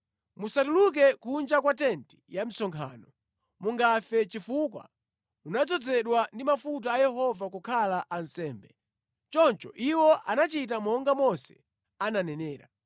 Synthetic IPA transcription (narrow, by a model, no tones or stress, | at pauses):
musatuluk̬ɛkund͡ʒakwat̬ɛnti̥jam̩sɔŋkʰa̰ːnɔ | muŋɡafɛt͡ʃifuk̬wa̰ | unad͡zɔd͡zɛɗwandimafut̬aːjɛɦɔvakukʰalaʔan̩sɛːmbɛ | t͡ʃɔnt͡ʃɔʔiwɔʔa̰nat͡ʃit̬amɔŋɡamɔsɛ̰ | ananɛnɛːɾa